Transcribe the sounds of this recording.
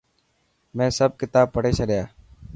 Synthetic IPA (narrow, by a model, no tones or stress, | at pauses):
mɛ̃ːsəb̚kɪt̪aːb̚pəɽeːsʰəɾjaː